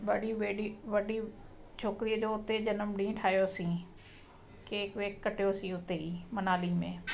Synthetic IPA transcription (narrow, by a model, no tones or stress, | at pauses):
ʋəɖiːʋeːɖiːʋəɖiː | t͡ʃʰoːkɾijd͡ʒoːʊt̪ːeːd͡ʒənəmɖĩːʈʰaːjoːsĩː | keɪkʋeːkːəʈjoːsĩːʊt̪ːeːiːmənaːliːmḛ̃ː